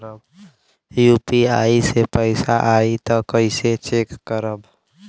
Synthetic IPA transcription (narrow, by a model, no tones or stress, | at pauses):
əb | jupiaːisepəɪsaʔait̪ɔkəɪset͡ʃekːəɾəb